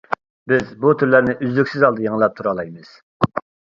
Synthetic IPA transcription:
bɪzbut̪ʰyɾlæɾnɪʔyzlykʲsɪzɑlˠd̪ɨjeŋəlˠɑp̚t̪ʰuɾɑlˠɑjmɨz̥

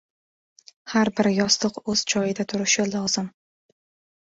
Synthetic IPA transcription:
haɾbɪɾjɒslˠɨqɵz̥t͡ʃʰɒjɪd̪at̪ʰʊɾɪʃɪlˠɒz̥ɪm

